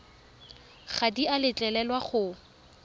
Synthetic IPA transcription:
χadialɪt͡ɬʼɛlɛlwaχʊ

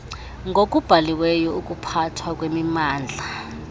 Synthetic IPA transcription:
ŋʱokʼub̥ʱaliwɛjɔukʼupʰatʰwakʼwemimaːnd͡ɮʱa

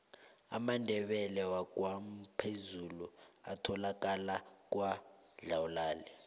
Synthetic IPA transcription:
a̰mandʱɛɓɛlɛwak̬ʼwam̩pʰezulua̰tʰɔlak̬ʼalak̬ʼwa | ɮawulaːlɛ

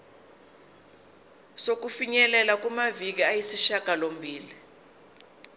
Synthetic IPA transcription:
sok̬ufiɲɛlɛlak̬umavik̬iajisiʃaɡ̥ʱalombʱiːli

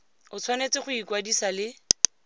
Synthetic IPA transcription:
ʊt͡sʰwanet͡sɪχʊikwadisalɪ

